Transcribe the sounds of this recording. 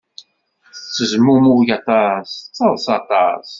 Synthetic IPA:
t͡sːəzmumuʝɑt̪ˤɑst͡sːəðˤsɑt̪ˤɑs

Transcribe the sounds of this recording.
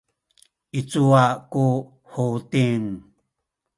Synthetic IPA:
ʔit͡suaku | hotiŋ

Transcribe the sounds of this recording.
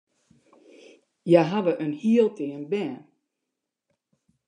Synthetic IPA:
jaɦavəʔənhiəlˠtʰɪənbɛn

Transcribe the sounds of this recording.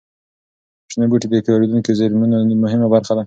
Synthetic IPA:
ʃnabuʈid̪əkɑɾed̪unkizeɾmunomʊɦɪmabaɾxad̪a

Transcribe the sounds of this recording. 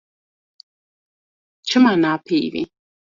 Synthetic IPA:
t͡ʃɨmanaːpʰiːvḭ

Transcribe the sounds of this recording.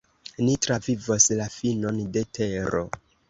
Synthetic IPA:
nitɾavivoslafino̞nde̞tʰe̞ɾo̞̰

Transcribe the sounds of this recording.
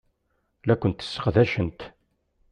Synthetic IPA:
lækʷːənt̪ːə̥sːə̥qðæʃənt̪

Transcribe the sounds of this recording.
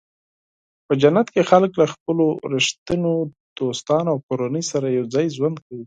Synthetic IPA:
pəd͡ʒanːat̪kexalklaxpəloɾɪʃt̪əno | d̪̥ost̪ɑnawkoɾanəjsaɾajawd͡zɑjzwand̪̚kawi

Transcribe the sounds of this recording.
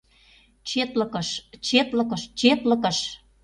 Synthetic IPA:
t͡ɕet̪ləkəʃt͡ɕet̪lə̆kə̆ʃt͡ɕet̪lə̆kə̆ʃ

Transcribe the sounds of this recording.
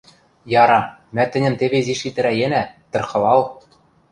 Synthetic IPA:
jɑɾɑ | mæt̪ɘ̆nʲɘ̆mt̪eβeziʃit̪ɘ̆ɾæjenæt̪ɤ̆rχɤ̆lɑl

